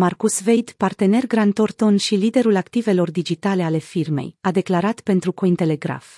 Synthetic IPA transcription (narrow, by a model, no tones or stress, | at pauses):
markusve̞jd̪part̪e̞ne̞rɡɾant̪o̞rt̪o̞nʃilid̪e̞ɾulakt̪ive̞lo̞rd̪id͡ʒit̪ale̞ale̞firme̞̰jad̪e̞klaɾat̪pe̞nt̪ɾukoint̪e̞le̞ɡɾa̰f